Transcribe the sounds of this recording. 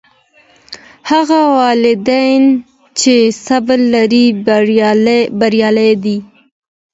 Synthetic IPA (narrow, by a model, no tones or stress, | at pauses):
haɣawɑlɪd̪ajn | t͡ʃesablːaɾi | baɾjɑlajd̪i